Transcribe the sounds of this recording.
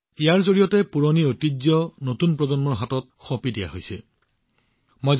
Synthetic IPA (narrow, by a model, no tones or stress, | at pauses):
ijaɹzoɹijɔtɛpuɹoniotid͡ʒjɔnotunpɹɔzɔnmɔɹɦatɔt̚xɔpidija̰ɦojsɛ̰ | mojz